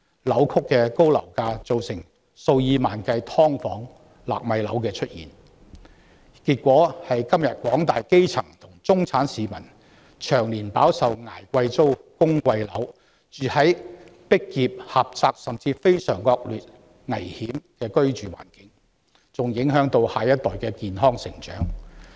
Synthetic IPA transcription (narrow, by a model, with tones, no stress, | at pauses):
lɐ˨˥wkʰʊ˥kːɛː˧ko˥wlɐ̰˨˩wkaː˧t͡so˨˧wsɪ˨˩ŋ | so˧wjiː˧maː˨nkɐ˧jt̪ʰɔː˥ŋfɔː˨˥ŋ | la̰ː˨k̚mɐ˨˧jlɐ̰˨˥wkɛː˧t͡ʃʰɵ˥t̚jḭː˨˩n | kiː˧t̚kʷɔː˨˥hɐ˨jkɐ˥mjɐ˨t̚kʷɔː˨˥ŋt̪aː˨jke˥jt͡sʰɐ˨˩ŋt̪ʰʊ˨˩ŋt͡sʊ˥ŋt͡sʰaː˨˥nsiː˨mɐ̰˨˩n | t͡ʃʰœː˨˩ŋliː˨˩npaː˨˥wsɐ˨wŋaː˨˩jkʷɐ˧jt͡so˥wkʊ˥ŋkʷɐ˧jlɐ˨˥w | t͡ʃyː˨hɐ˨˥jpɪ˥k̚jiː˨p̚hɐ˨p̚t͡saː˧k̚sɐ˨mt͡siː˧fe˥jsœ̰ː˨˩ŋkɔː˧k̚lyː˨t̚ | ŋɐ˨˩jhiː˨˥mkɛː˧kɵ˥ɥt͡ʃyː˨wa̰ː˨˩nkɪ˨˧˥ŋ | t͡sʊ˨ŋjɪ˨˥ŋɦœː˨˥ŋt̪o˧whaː˨jɐ˥t̚t̪ɔː˨˩jkɛː˧kiː˨nɦɔː˥ŋsɪ̰˨˩ŋt͡ʃœ̰ː˨˥ŋ